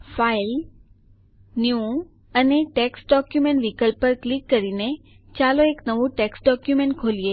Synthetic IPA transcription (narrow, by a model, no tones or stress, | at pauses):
fail | nju | əneʈeksʈɖɔkjumẽɳʈʋikəlpːəɾklikːəɾine | t͡ʃaloeknəʋũʈeksɖɔkjumẽɳʈ̚kʰolie